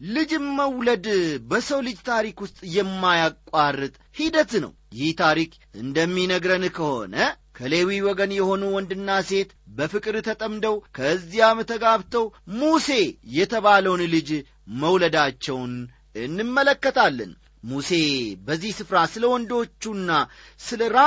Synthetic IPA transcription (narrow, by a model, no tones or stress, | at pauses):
lɨd͡ʒɨnməwləd̪bəsəwlɨd͡ʒt̪ʰaɾikwʊst̪ʼjɛmːajakʼːarːɨt̪ʼhid̪ət̪nə̰wjɪht̪ʰaɾik | ɨnd̪əmːinəɡɾənkʰəho̞̰nəkʰəle̞wiwɔɡənjɛho̞nuwɔnd̪ɨnːase̞t̪bəfɨkʼɨɾt̪ʰət̪ʼəmd̪əwkʰəzːijamət̪ʰəɡaβt̪ʰəwmuse̞jɛt̪ʰəβaləwnlɨd͡ʒ | məwləd̪at͡ʃːɛwn | ɨnːɨmːələkːət̪ʰalːə̰n | muse̞bəzːihsɨfɾasɨləwɔnd̪o̞t͡ʃːunːasɨləɾa